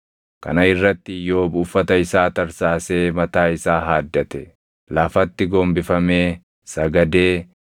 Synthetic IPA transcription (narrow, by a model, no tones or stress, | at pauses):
kɐ̰nɐɪrːɐt̪ːɪjo̞ːbʊfːɐt̪ɐɪsaːt̪ɐɾsaːse̞ːmɐt̪aːɪsaːɦaːd̪ːɐt̪ɛ | laːfɐt̪ːɪɡoːmbɪfɐmeː | sɐɡɐd̪e̞ː